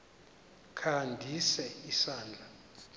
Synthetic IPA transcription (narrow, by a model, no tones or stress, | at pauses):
kʰandʱisɛisaːnd͡ɮʱa